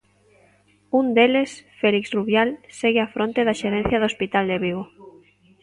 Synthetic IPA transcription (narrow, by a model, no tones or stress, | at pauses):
und̪elesfeliksruβjalseɣɪafɾʔont̪eðaʃeɾɛ̃n̟θjɐðospit̪ald̪eβiɣo